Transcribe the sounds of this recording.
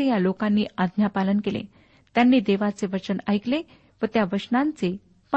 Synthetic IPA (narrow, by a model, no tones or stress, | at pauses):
ejalokãnːiːad̪njapalənkelḛ | t̪janːiːd̪eʋat͡seʋət͡ɕənajkle | ʋət̪jaʋəʂnãnt͡se | p